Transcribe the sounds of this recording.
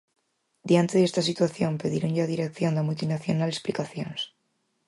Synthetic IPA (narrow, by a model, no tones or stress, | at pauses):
d̪jant̪eðest̪asit̪waθjo̞mpe̞ðeɾonʝaðiɾek̚θjo̞nd̪amult̪inaθjonale̞splikaθjons